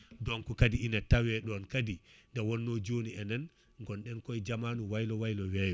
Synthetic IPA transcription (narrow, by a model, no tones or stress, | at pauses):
dɔnkɔkadiinatawɛɗɔnkadindawɔnːɔd͡ʒoniɛnan | ŋɡɔnɗɛnkɔjd͡ʒamanuwajlɔwajlɔwɛːjɔ